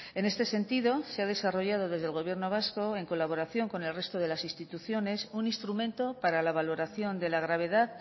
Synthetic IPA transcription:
e̞ne̞st̪e̞se̞nt̪iðo̞seað̞e̞saro̞ʝað̞o̞ðe̞zð̞elɣ̞o̞β̞jeɾno̞β̞asko̞e̞ŋko̞laβ̞o̞ɾaθjo̞ŋko̞ne̞lre̞st̪o̞ð̞e̞lasinst̪it̪uθjo̞ne̞suninst̪ɾumẽ̞nt̪o̞paɾalaβ̞alo̞ɾaθjo̞nd̪e̞laɣɾaβ̞e̞ðað

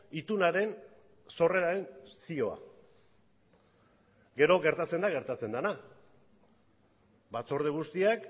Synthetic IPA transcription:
it̪unaɾe̞n | so̞re̞ɾaɾe̞nsio̞a̰ | ɡe̞ɾo̞ɣe̞ɾt̪at͡se̞nd̪aɣ̞e̞ɾt̪at͡se̞nd̪ana | bat͡so̞ɾð̞eɣust̪iak

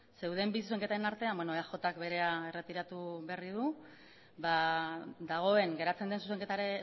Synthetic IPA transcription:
se̞wð̞embis̬us̬e̞ŋkeaɾe̞naɾt̪e̞ambwenoeaxo̞t̪akbe̞ɾe̞aere̞t̪iɾat̪uβe̞arið̞u | bad̪aɣ̞o̞e̞ŋɡe̞ɾat͡se̞nd̪e̞nsuse̞ŋke̞t̪aɾe

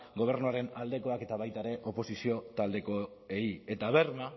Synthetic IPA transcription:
ɡo̞β̞e̞ɾnuaɾe̞nald̪e̞ko̞ake̞t̪aβ̞ajt̪aɾe̞ʔo̞po̞sisio̞t̪ald̪e̞ko̞ | e̞ie̞t̪aβ̞e̞ɾma

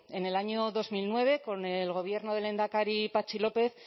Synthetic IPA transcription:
e̞ne̞laɲoðo̞zmilnwe̞β̞e̞ko̞nelɣo̞βje̞ɾnoðe̞le̞nd̪akaɾipat͡ʃilo̞pe̞θ

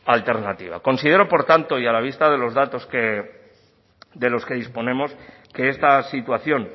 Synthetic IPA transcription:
alt̪e̞ɾnat̪iβ̞a̰ko̞nsið̞e̞ɾo̞po̞ɾt̪ant̪o̞ialaβist̪aðe̞lo̞zðat̪o̞ske | d̪e̞lo̞ske̞ðispo̞nẽ̞mo̞s | ke̞est̪asit̪waθjo̞n

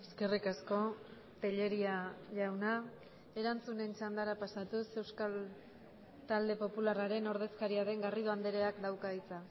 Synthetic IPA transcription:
eske̞rikasko̞ | t̪eʎe̞ɾiaʝawna | e̞ɾant͡sune̞nt͡ʃand̪aɾapasat̪use̞wskal | t̪ald̪e̞po̞pularaɾe̞no̞ɾð̞e̞skaɾiaɾe̞ŋɡariðo̞and̪eɾeakd̪awkait͡sa

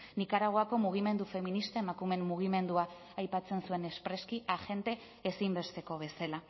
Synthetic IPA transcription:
nikaɾaɣ̞o̞ako̞muɣ̞ime̞nd̪ufe̞minist̪aemakume̞mːuɣ̞ime̞nd̪ua | ajpat͡se̞nsue̞ne̞spɾe̞skiaʝe̞nt̪e̞ː | simbe̞st̪e̞ko̞β̞e̞sala

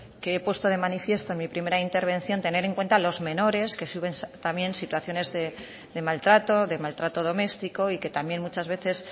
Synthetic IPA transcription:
keepwe̞st̪o̞ð̞e̞manifje̞st̪oenmipɾime̞ɾaint̪e̞ɾβ̞ẽ̞nθjo̞nt̪e̞ne̞ɾeŋkwe̞nt̪alo̞zmẽ̞no̞ɾe̞ske̞suβe̞nt̪amje̞nsit̪waθjo̞ne̞zðe | ðe̞malt̪ɾat̪o̞ðe̞malt̪ɾat̪o̞ðo̞me̞st̪iko̞ike̞t̪amje̞nmut͡ʃazβe̞θe̞s

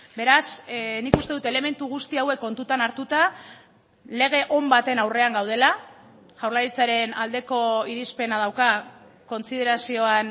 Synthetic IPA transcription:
be̞ɾasnikust̪e̞ðut̪e̞le̞me̞nt̪uɣ̞ust̪iawe̞kːo̞nt̪ut̪anaɾt̪ut̪a | le̞ɣ̞e̞ʔo̞mbat̪e̞nawre̞aŋɡawð̞e̞la | ʝ̥awɾlaɾit͡saɾe̞nald̪e̞ko̞iɾispe̞nað̞awka | ko̞nsið̞e̞ɾasio̞an

